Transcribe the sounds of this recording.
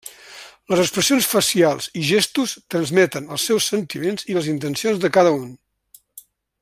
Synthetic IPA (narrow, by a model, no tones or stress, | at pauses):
ləzəkspɾəsionsfəsialˠziʒɛst̪ust̪ɾənzmɛt̪ənəlˠsɛwsːənt̪imenziləzint̪ənsionzðəkaðəun